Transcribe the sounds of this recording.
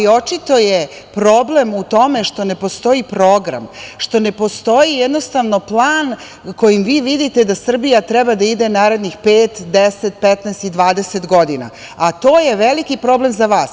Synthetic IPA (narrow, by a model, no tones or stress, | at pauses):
io̞t͡ʃit̪o̞je | pɾo̞ble̞mut̪o̞meʂt̪o̞ne̞po̞st̪o̞ipɾo̞ːɡɾa̰mʃt̪o̞ne̞po̞st̪o̞jijɛd̪no̞st̪aʋno̞plˠaːn | ko̞jimʋiːʋid̪it̪e̞d̪asr̩bijat̪ɾɛbad̪aid̪enaːɾe̞d̪nixpeːt̪d̪eset̪̚pɛt̪nɛːst̪id̪ʋaːd̪eset̪ɡo̞d̪ina̰ | at̪o̞ːje̞ʋelikipɾo̞ble̞mzaʋaːs